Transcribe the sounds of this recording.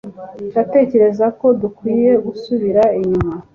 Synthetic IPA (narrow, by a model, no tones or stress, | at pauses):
ate̞ːce̞ɾe̞zako̞dukwiːje̞ɡusuβiɾaiɲuma